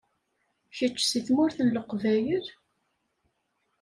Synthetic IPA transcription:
çət͡ʃːsiθmʊɾθənləqːvæjəɾ

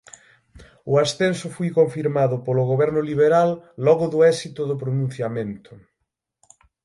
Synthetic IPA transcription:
ʊasθensʊfojkoɱfiɾmaðʊpolʊɣoβɛɾnʊliβ̞eɾalːɔɣʊðʊɛsit̪ʊðʊpɾonũn̟θjamẽnt̪ʊ̥

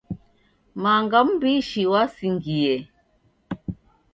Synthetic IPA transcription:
maŋɡambiʃiwasiŋɡijɛ

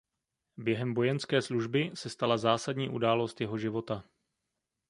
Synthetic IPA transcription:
bjɛɦɛmbo̞jɛnskɛːsluʒbɪsɛst̪alazaːsadɲiːʔudaːlo̞st̪jɛɦo̞ʒɪvo̞t̪a

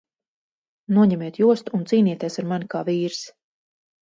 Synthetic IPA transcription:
nuɔɲɛmiɛt̪juɔst̪uːnt̪siːniɛt̪ʲɛsaɾmanikaːviːɾs

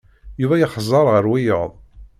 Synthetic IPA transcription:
juvæjəχzˤɑɾˤʁəɾwijə̰ðˤ

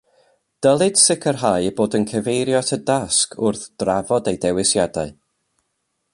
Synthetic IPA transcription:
d̥əlˠɨd̥sɪkʰərɦajboːdənkʰəvejɾjɔtʰədaskʰʊrθd̥ravɔdejdɛwɪsjadaɨ

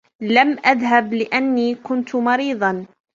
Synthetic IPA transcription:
lamʔaðhablɪʔanːiːkʊnt̪mɑɾiːðˤɑn

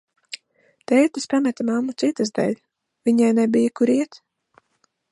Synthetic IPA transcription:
t̪ɛjt̪ɨspamɛt̪amamːut̪sit̪ɨzd̪ɛ̰lʲ | vʲiɲajnɛbijakuɾiɛt̪

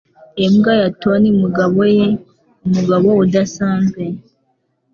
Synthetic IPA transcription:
emuɡajatonimuɡaβoje | omuɡaβoodasaːmbe

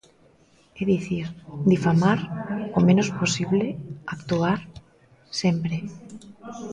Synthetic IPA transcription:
eðiθiɾd̪ifamaɾomẽnosposiβleakt̪uaɾ | sempɾe

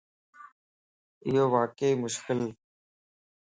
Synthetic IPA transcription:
ɪɦoːʋaːkəiːmʊʃkɪl

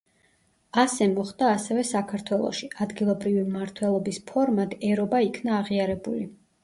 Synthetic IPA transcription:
asɛmɔχd̪̥aːsɛvɛsakʰaɾt̪ʰwɛlˠɔ̰ʃiad̪ɡilˠɔbɾivimmaɾt̪ʰwɛlˠɔbispʰɔɾmat̪ʰɛɾɔbaikʰnaːʁiaɾɛbṵli

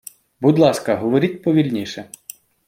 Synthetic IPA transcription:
bud̪lˠɑskɐɦɔʋɔɾʲit̚ʲpɔʋʲilʲnʲiʃɛ

